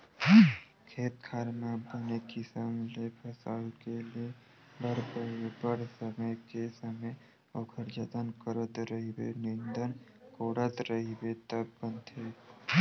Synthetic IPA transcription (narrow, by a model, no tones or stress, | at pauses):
kʰeːt̪kʰaːɾmabənekisəmlepʰəsa̰lkelie | bəɾpəbəɾsəməjkesəməj | okʰəɾd͡ʒət̪ənkəɾət̪ɾəɦibḛnĩnd̪ən | koːɽət̪ɾəɦibet̪əbːə̃nt̪ʰe